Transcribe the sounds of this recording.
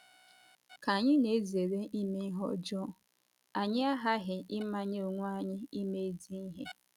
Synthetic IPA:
ka˨ɲɪ˦ne˨˦ze˨ɾe˦ʔi˦me˦ɦɔ̰˦d͡ʒɔ˦ | a˨ɲɪ˦a˦ɦa˦ɦɪ˨ʔɪ˦ma˦ɲ˦o˨ŋʷ˦a˨ɲɪ˦i˦me˦e˦di˦ɦe˦

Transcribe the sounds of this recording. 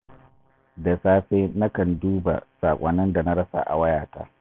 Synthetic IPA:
da˨saː˦ɸeː˦na˦kɐ˨nduː˦ba̰˨saː˨kʷʼɐ˨nɐ˦nda˨na˦ɽɐ˦sa̰˦˨ʔa̰˨wɐ˦jaː˨ta̰ː˦

